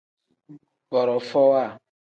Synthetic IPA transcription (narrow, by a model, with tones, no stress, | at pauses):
bɔ˨ɾɔ˨fɔ˦wa˦˨